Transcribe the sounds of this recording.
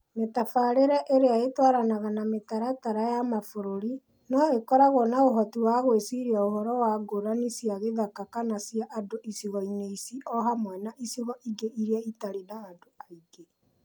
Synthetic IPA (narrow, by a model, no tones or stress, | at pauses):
metafaɾeɾɛʔeɾeaetwaɾanaɣanametaɾataɾajamafoɾoɾi | nɔekɔɾaɣɔnaoɦɔtiwaɣwesiɾiaohɔɾɔwaɡoɾanisiaɣeðakakanasiaʔadoʔisiɣɔineisiɔɦamwɛnaʔisiɣɔʔiɡeʔiɾiaitaɾenaːdoaiɡe